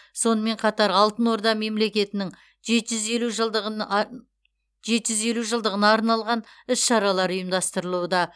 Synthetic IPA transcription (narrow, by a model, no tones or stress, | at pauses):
so̞nəme̞ɴqʰɑt̪ɑɾɑlˠt̪ənwo̞ɾd̪ɑme̞mle̞kʲe̞t̪ɪnɪŋ | ʒet̪ʒʏze̞luʒˠd̪ə | ʒe̞t̪ʒʏze̞luʒəlˠd̪əʁənɑːɾnɑlˠʁɑnɪsʃɑɾɑlˠɑɾʊjəmd̪ɑst̪əɾəlˠuwəd̪ɑ